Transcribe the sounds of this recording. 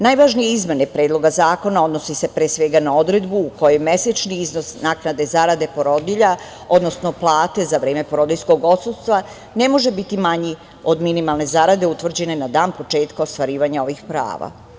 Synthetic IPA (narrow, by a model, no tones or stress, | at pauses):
najʋaʒnije̞izme̞ne̞pɾe̞ːd̪lˠo̞ɡazaːko̞nao̞d̪no̞sise̞pɾeːsʋe̞ɡanao̞d̪ɾe̞d̪buːko̞jeme̞set͡ʃniizno̞snaːknad̪e̞zaɾad̪e̞po̞ɾo̞d̪iʎa | o̞d̪no̞sno̞plˠaːt̪e̞zaʋɾe̞ːme̞poɾo̞d̪isko̞ɡo̞t̪sud̪st̪ʋa | ne̞mo̞ʒebit̪imaɲi | o̞d̪minimalˠne̞zaɾad̪e̞ut̪ʋr̩d͡ʑe̞ne̞nad̪aːnpo̞t͡ʃe̞ːt̪kaost̪ʋaɾiːʋaɲao̞ʋixpɾa̰ːʋa̰